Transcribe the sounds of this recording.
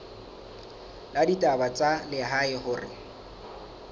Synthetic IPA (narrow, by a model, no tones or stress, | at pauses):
laditʼabat͡sʼalɪɦaɪhʊrɪ̰